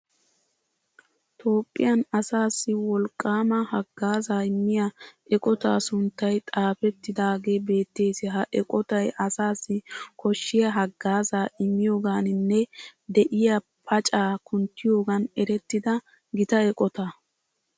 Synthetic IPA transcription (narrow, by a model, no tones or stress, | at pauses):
t̪ʰʼo̞ːpʼːɪ̰jɐnɐsaːsːɪwɔlkʼːaːmɐhɐɡːaːzaːɪmːɪjɐɛkʼɔt̪a̰ːsʊnt̪ːɐjt̪ʼaːfɛt̪ːɪd̪aːɡe̞ːbe̞ːt̪ːe̞ːsɪɦɐʔɛkʼɔt̪ɐjɐsaːsːɪkɔʃːɪjɐɦɐɡːaːzaːʔɪmːɪjo̞ːɡaːnɪnːɛd̪ɛʔɪjɐ | pʰɐt͡ʃʼaːkʊnt̪ːɪjo̞ːɡɐnɛɾɛt̪ːɪd̪ɐ | ɡɪt̪ɐɛkʼɔt̪a